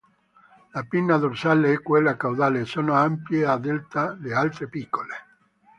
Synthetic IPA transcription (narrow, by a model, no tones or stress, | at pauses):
lapinːad̪orsaleɛkːwelːakawd̪aːleːsːoːnoampjead̪elt̪alealt̪ɾepikːole